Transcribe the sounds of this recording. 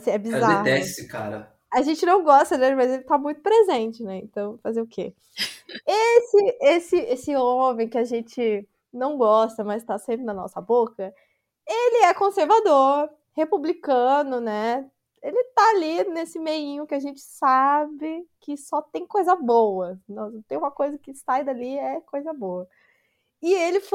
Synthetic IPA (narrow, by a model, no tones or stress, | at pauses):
asĩɛbizaehd̪ɛssɪka̰ɾɐ̰ | aʒẽnt͡ʃɪnɐ̃w̃ɡɔst̪ɐd̪elɪmɐzelɪt̪amũj̃t̪ʊpɾezẽt͡ʃɪnɛẽnt̪ɐ̃w̃fazeʊkʰḛ | esɪesɪesɪõmẽj̃kɪaʒẽnt͡ʃɪ | nɐ̃w̃ɡɔst̪ɐmɐst̪asẽmpɾɪnɐnɔ̰sɐbokɐ | elɪɛkõseɾvad̪oɾ | hepublikɐ̃nʊnɛ | elɪt̪aalinesɪmejĩɲʊkɪaʒẽnt͡ʃɪ̥sabɪkɪsɔt̪ẽj̃kojzɐbowɐnɔ̃t̪ẽj̃ũmɐkojzɐkɪsajd̪aliɛkojzɐbowɐ | ɪelɪf